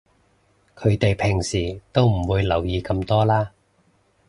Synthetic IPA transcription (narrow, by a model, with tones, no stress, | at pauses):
kʰɵ˨˧ɥt̪e˨jpʰɪ˨˩ŋsiː˨˩t̪o˥wm̩˨˩wuː˨˧jlɐ˨˩wjiː˨˧kɐ˧mt̪ɔː˥laː˥